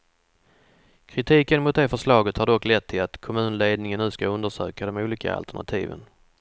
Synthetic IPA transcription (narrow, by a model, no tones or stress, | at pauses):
kʰɾɪt̪ʰiːkənmʊt̪̚d̪efəʂlɑːɡət̪haɖɔkːlɛt̪ʰːɪlat̪kʰɔmʉ̟ːnleːd̪̚nɪŋənːʉ̟ːskaɵnd̪əʂø̰ːkad̪ɔmuːliːka̰a̰lt̪əɳa̰t̪ʰḭːvə̰n